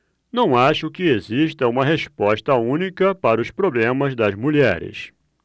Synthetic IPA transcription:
nɐ̃w̃aʃʊkɪeziʃt̪ɐũmɐɦespɔʃt̪ɐũnikɐpaɾɐʊspɾoblẽmɐzd̪ɐzmuʎɛ̰ɾɪ̰s

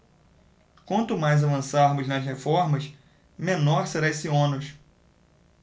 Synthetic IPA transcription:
kwɐ̃nt̪ʊmajzavɐ̃saɾmʊznɐshefɔɾmɐs | mẽnɔɾseɾaesiõnʊʃ

